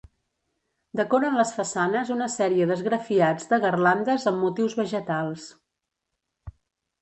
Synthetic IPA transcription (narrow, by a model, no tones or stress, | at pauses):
d̪əkɔɾəmləsfəsanəzunəsɛɾiəðəzɣɾəfiad͡zd̪əɣərland̪əzəmːut̪iwzβəʒət̪alˠs